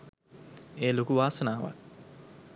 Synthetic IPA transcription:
eːlokuʋaːsənaːʋa̰k

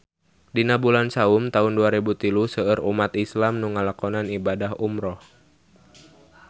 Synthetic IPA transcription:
dinabulansaumt̪aunduaɾibut̪ilusəəɾumat̪islamnuŋalakɔnanibadaɦumɾɔh

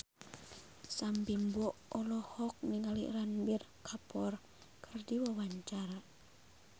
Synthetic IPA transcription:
sampimbɔʔɔlɔhɔk̚niŋalḭʔɾanbir | kʰapɔr | kʰərdiwawaɲt͡ʃaɾa

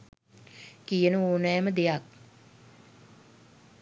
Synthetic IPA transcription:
kijənəoːnɛjːməd̪ejak̚

